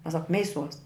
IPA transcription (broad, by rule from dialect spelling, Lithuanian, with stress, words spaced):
mʲɛs sɐk ˈmʲɛɪˌsuɔs